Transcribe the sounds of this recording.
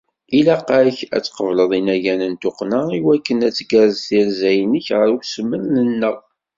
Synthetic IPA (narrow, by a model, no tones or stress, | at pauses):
ilæqaɾəçæ̰t͡sːqəvləðˤinæjænənt̪ʊqnəiwækːənæt͡sːɡəɾəzθiɾzæjənəçʁəɾuçsəmːənnənːəʁ